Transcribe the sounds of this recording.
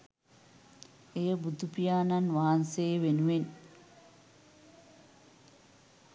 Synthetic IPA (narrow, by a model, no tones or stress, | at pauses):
ejəbud̪ʱupijaːnanʋaɦnsejʋenuʋen